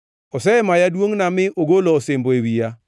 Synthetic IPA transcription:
osɛmajadwoŋnamɪʔoɡolɔosemboewia

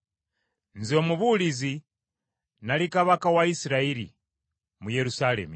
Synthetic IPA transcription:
nziomuβulizi | nalikaβakawaisiɾaiɾḭ | mujeɾusalḛmi

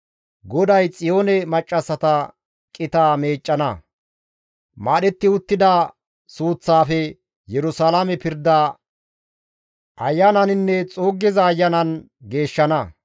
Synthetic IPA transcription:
ɡɔd̪ɐjt͡sʼɪjo̞ːnɛmɐt͡ʃʼːɐsːɐt̪ɐ | kʼɪt̪aːme̞ːt͡ʃʼːɐnɐ | maːɗɛt̪ːɪʊt̪ːɪd̪ɐ | suːt͡sːaːfɛ | jɛɾʊsalamɛpɪɾd̪ːaː | ʔɐjːɐnɐnɪnːɛt͡sʼoːɡːɛzɐːjːɐnɐn | ɡe̞ːʃːɐnɐ

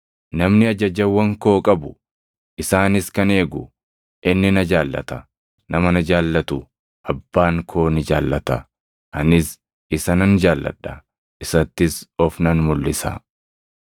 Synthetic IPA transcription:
nɐmnɪɐd͡ʒɐd͡ʒɐwːɐŋko̞ːkʼɐbʊ | ʔɪsaːnɪskɐne̞ːɡʊ | ʔɪnːɪnɐd͡ʒaːlːɐ̰t̪ɐ | nɐmɐnɐd͡ʒaːlːɐt̪ʊ | ʔɐbːaːŋkʰo̞ːnɪd͡ʒaːlːɐt̪ɐ | ɐnɪs | ɪsɐnɐnd͡ʒaːlːɐ̰ᶑːɐ | ʔɪsɐt̪ːɪsɔfnɐnmʊlːɪsɐ̰

